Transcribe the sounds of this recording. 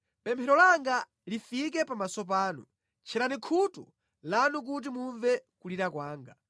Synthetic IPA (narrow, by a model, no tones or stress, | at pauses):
pɛmpʰɛɾɔlaŋɡa | lifik̬ɛpamasɔp̬aːnṵ | t͡ʃʰɛɾanikʰutu | lanuk̬ut̬imuɱvɛkuliɾakwaːŋɡa